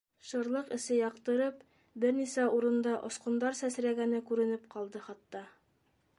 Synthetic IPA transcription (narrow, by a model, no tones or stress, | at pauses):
ʃɤ̆ɾlˠɤqɘ̆sɘjɑqt̪ɤ̆ɾɤp | bɘɾnisæuɾɤ̆nd̪ɑʔŏ̰sqŏnd̪ɑɾsæsɾæɡænɘkʉɾɘ̆nɘpqɑlˠd̪ɤχɑt̪ːɑ